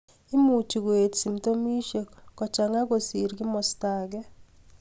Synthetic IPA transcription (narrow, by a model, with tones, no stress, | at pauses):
ɪ˦mu˨t͡ʃi˨ɡwe˨tsi˨mto˦mi˦ʃe˨kɔ˨t͡ʃa˨ŋa˦ɡo˨si˨ɾɡɪ˦mɔ˨staɡɛ˦